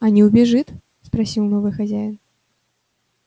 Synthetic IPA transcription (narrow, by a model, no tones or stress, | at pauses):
ɐnʲɛwbʲɛʐɨt̪ | spɾasʲilwnɔvɨxazʲajn